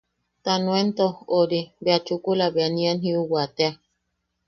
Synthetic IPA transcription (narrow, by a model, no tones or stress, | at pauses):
t̪anw̃ent̪ooɾibeat͡ʃukulaβeanĩanhĩuwat̪ea